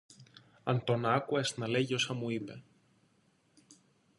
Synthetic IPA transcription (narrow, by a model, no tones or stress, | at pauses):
ɐnt̪o̞nɐkuesnɐle̞ʝio̞sɐmuipe̞